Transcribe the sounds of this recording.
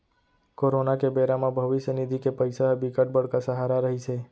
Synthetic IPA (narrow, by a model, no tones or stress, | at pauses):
koɾonakebeɾamãbʱəʋiʃənid̪ʱikepəjsaɦbikəʈ̚bəɽ̤kasəɦaɾaɾəɦit͡ʃʰe